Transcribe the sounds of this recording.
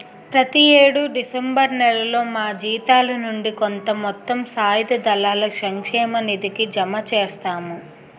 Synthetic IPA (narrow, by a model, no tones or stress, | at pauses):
pɾɐt̪ieːɽuɖisembɐɾnɛlɐlo̞ːmaːd͡ʒiːt̪aːlɐnuɳɖikont̪ɐmɔt̪ːɐmsaːjid̪ɐd̪ɐlaːlɐsɐŋkʂɛːmɐnid̪ikid͡ʒɐmɐt͡ʃeːst̪aːmu